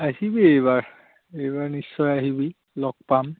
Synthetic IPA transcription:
aɦibiejbaɹ | ejbaɹnisːɔjaɦibi | lɔk̚pam

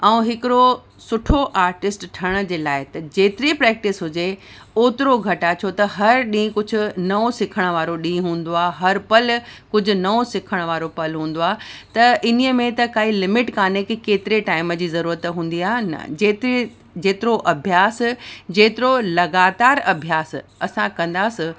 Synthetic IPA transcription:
ɛ̃ũɦɪkɪɾo | sʊʈʰoʔaːɾʈɪsʈʈʰɐɽ̃ə̆d͡ʑeːlaːɪt̪ɐd͡ʑeːt̪ɪɾipɾɛːk̚ʈɪsɦʊd͡ʑe | oːt̪ɪɾoɡʱɐʈat͡ɕʰot̪ɐɦɐɾɗĩːkʊd͡ʑʱʊ̆nɐosɪkʰəɽ̃ʋaːɾoɗĩːɦũːn̆d̪oaːɦɐɾpɐlkʊd͡ʑʱʊ̆nɐosɪkʰəɽ̃ʋaːɾopɐlɦũːn̆d̪oaːt̪ɐʔɪnijəmẽt̪ɐkaːɦilɪmɪʈkaːnekkeːt̪ɪɾeʈaːɪməd͡ʑiːzɐɾuːɾət̪ɦũːnd̪iaːɦnɐ̰d͡ʑeːt̪i | d͡ʑeːt̪ɪɾoʔɐbʱjaːsd͡ʑeːt̪ɪɾolɐɡaːt̪aːɾɐbʱjaːsɐsãkɐ̃nd̪aːsɪ̃

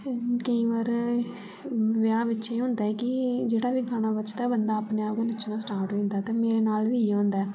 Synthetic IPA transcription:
kəĩːʋaːɾ | ʋɪaːʋɪt͡ʃːɦʊ̃ːnd̪aːɛkɪd͡ʒeːɽaːbiːkʰaːɽ̃aːbət͡ʃd̪aɛːbənd̪aːpneːaːpkonɪt͡ʃnãːsʈaːɾʈɦoĩːnd̪aːt̪ẽːmeːɾeːnaːlʋiːãːnd̪aɛː

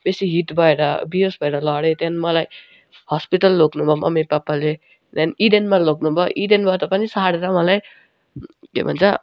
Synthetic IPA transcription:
besiɦit̪bʱʌeɾʌbijosbʱʌeɾʌlʌɽet̪anmʌlaj | hɔspiʈʌlːoknubʱʌmʔʌ̰mipapːale | d̪aniɖenmaloknubʱʌʔiɖenbʱʌt̪ʌpanisaɽeɾʌmʌlaj | kḛbʱʌ̰nt͡sʰʌ

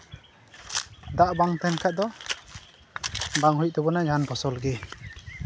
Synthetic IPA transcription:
d̪aʔbaŋt̪ɛnkʰad̪ɔ | baŋɦuj̚d̪ɔbɔnajd͡ʒʱanpʰɔsɔlɡe

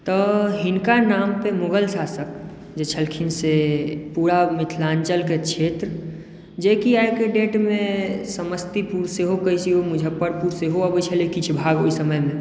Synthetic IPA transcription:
t̪ɔɦɪnkanaːmpemoɡəlsaːsək̚ | d͡ʒet͡ʃʰəlkʰinsepuɾamɪt̪ʰlaːnt͡ʃəlket͡ʃʰeːt̪ɾə | d͡ʒekiajkeɖeːʈmẽsəməst̪ipuɾseɦokəisiɦomʊd͡ʒʱəpəɾpuɾseɦoəbət͡ʃʰelekit͡ʃʰbʱaːɡoisəməjmẽ

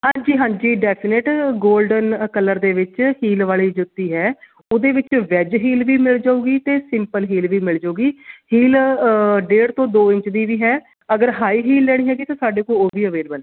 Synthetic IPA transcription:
ɦãːɲd͡ʒiːɦãːɲd͡ʒiːɖɛːpʰɪnɪʈɡoːlɖənkəlːəɾd̪eːʋɪt͡ʃhiːlʋaːliːd͡ʒʊt̪ːiːɦɛː | ʊd̪eːʋɪt͡ʃʋɛːd͡ʒɦiːlʋiːmɪld͡ʒaːuːɡiːt̪eːsɪmpəlɦiːlʋiːmɪld͡ʒaːuːɡiːhiːl | ɖeːɽt̪õːd̪oːɪ̃ɲt͡ʃd̪iːʋiːɦɛː | əɡəɾɦaːiːɦiːlːɛːɽ̃iːɦɛːɡiːt̪ãːsaːɖeːkoːoːʋiːəʋeːlbəlɛː

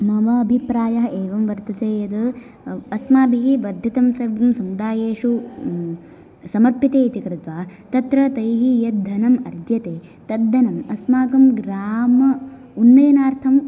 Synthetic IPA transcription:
mɐʋɐːbʱipɾaːjɐɦɐeːʋɐmʋɐɾt̪ɐt̪eːjɐd̪ɐ | ɐsmaːbʱiɦiʋɐɾd̪ʱjɐt̪ɐmsɐʋɐmsɐmud̪aːjeːʂu | sɐmɐɾpit̪eːit̪ikɾut̪ʋaːt̪ɐt̪ɾɐt̪ɐjɦijɐd̪ʱɐnɐmɐɾd͡ʒjɐt̪eː | t̪ɐd̪ːɐnɐmɐsmaːkɐmɡɾaːmɐ | unːɐjɐnaːɾt̪ʰɐm

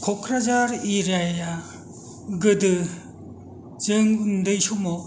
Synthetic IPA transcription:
kʰɔkʰɾazaɾiɾajja | ɡɯdɯ | zɯŋndɯjsumɔ

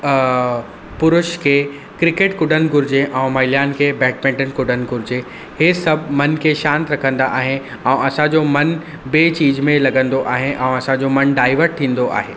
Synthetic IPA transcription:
pʊɾʊʃkʰeː | kɾɪkeːʈkʊɖənɪ̆ɡʱʊɾɪd͡ʑeʔɛ̃ːmaːɪlijaːnkʰeːbɛːʈ̚mɛ̃ːʈənkʊɖənɪ̆ɡʱʊɾɪd͡ʑe | hesɐbʱmɐnkʰeːʃãːnt̪ɾɐkʰə̃nd̪aʔaːɦe | ɛ̃ːʔɐsãd͡ʑomɐn | beːt͡ɕiːd͡ʑmẽlɐɡə̃nd̪oʔaːɦeʔɛ̃ːɐsãd͡ʑomɐnɖaːɪʋəɾʈ̪ʰĩːn̆d̪oʔa̰ːɦeː

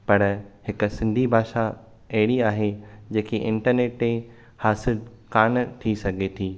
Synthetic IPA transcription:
pɐɾɦɪk̆sɪ̃nd̪ʱibʱaːʃa | ɐɦɪɽiaːɦed͡ʑeːkiʔɪ̃ɳʈəɾneːʈ̚mẽ | haːsɪl | kaːnt̪ʰisɐɡʱet̪ʰiː

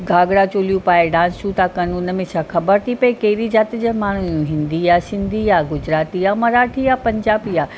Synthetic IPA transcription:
ɡʱaːɡɽat͡ɕoːlijũpaːeɖãːsut̪akɐnuːnə̆mẽt͡ɕʰaːxɐbəɾt̪ʰipɐikɐɪɾid͡ʑaːt̪d͡ʑaːmaːɳ̤ujũɦɪ̃nd̪iaːsɪ̃nd̪ʱiaːɡʊd͡ʑɾaːt̪iaːmɐɾaːʈʰijapɐ̃ɲd͡ʑaːbiaː

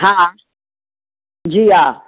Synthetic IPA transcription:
ɦãã | d͡ʒija

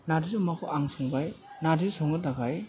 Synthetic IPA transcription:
nadizumakʰɔʔaŋsɔŋbajnadisɔŋɯdaɡaj

